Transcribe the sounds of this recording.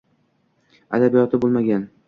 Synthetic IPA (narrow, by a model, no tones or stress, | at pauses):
a̰d̪abijɒt̪ʰɪbolˠmaɡʲan